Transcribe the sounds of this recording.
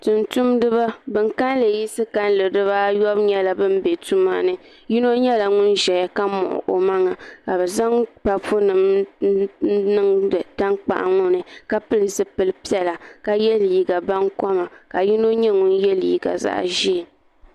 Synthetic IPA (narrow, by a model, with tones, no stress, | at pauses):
tʊ˨ntu˦mdɨ˦βa˦bɨ˦ŋka˦n˦lɨ˨ji˦sɨ˦ka˦n˦lɨ˨dɨ˦βa˦jɔ˦bɲɛ˦la˨bɨ˦m˦be˨tu˦ma̰˦nɨ˨ | ji˦no˦ɲɛ˦la˨ŋʊ˦nʒɛ˨ja˦ka˦mɔ̰˨ʔʔo̰˨ma˦ŋa˨ka˨bɛ˨za˦ŋpa˨fu˦nɨ˨m˦ | nɨ˦ŋdɨ˨da˦ŋk͡pa̰˨ʔa̰˨ŋʊ˦nɨ˨ka˦pɨ˦lɨ˨zɨ˦pɨ˨lɨ˦pi˦ɛ˨la˨ka˨jɛ˦lji˨ɡa˨ba˦nkɔ˦ma˨ka˨ji˦no˦ɲɛ˦ŋʊ˦njɛ˦liː˨ɡa̰˨za̰˦ʔʒi˦˨